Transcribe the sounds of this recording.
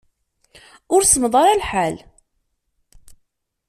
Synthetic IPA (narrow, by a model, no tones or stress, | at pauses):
ʊɾsəmðˤɑɾˤɑlħal